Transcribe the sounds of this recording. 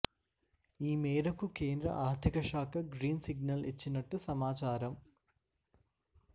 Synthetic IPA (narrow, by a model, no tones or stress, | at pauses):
iːmeːɾɐkːuke̞ːnd̪rɐ̰ʔaːrd̪ʱiɣɐʂaːkːɐɡɾiːnsiɡ̚nɐlet͡ɕːinːɐʈːɨsɐmaːt͡ɕaːɾɐm